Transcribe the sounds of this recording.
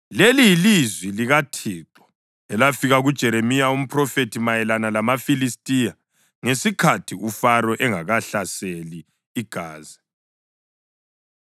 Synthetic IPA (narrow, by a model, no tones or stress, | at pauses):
lelijilizwiliɣatʰiːǁɔ̥ | ɛlafiɣaɣud̥ʒ̥ʱɛɾemijaum̩pʰrɔfetʰimajɛlanalamafilistʼija | ŋesikʰatʰiufaɾɔʔɛŋaɣaɬaseliː | ɡ̥ʱaːzɛ